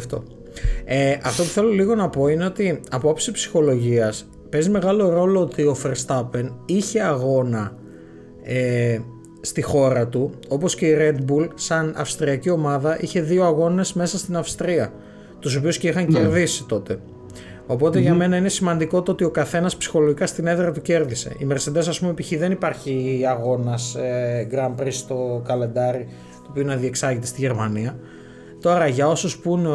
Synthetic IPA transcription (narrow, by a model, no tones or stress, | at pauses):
ft̪o̰ | eʔɐft̪o̞pu̥θe̞lo̞liɣo̞nɐpo̞ine̞o̞t̪iɐpoopsipsi̥xo̞lo̞ʝiɐs | pe̞zime̞ɣɐlo̞ɾo̞lo̞ot̪io̞feɾst̪ɐpe̞niçe̞ɐɣo̞nɐ | e | st̪ixo̞ɾɐt̪uo̞po̞sce̞iɾe̞d̪bulsɐnɐ̰fst̪ɾiɐcio̞mɐðɐʔiçe̞ðio̞ɐɣo̞ne̞zme̞sɐst̪inɐfst̪ɾiɐ | t̪uso̞piusceixɐɲce̞ɾðisi̥t̪o̞t̪e̞ | o̞po̞t̪e̞ʝɐme̞nɐine̞simɐnd̪iko̞t̪oot̪io̞kɐθe̞nɐspsi̥xo̞loʝikɐst̪ine̞ðɾɐt̪uce̞ɾðise̞̰ime̞ɾse̞d̪esɐspumoepiçiðe̞nipɐɾçiɐɣo̞nɐsɡɾɐmpɾist̪o̞kɐle̞nd̪ɐɾi | t̪oopiunɐðie̞ksɐɣit̪est̪iʝe̞ɾmɐniɐ | t̪o̞ɾɐʝɐo̞suspun